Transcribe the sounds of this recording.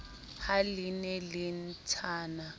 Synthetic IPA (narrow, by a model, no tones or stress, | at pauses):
halinɛlin̩tʰaːna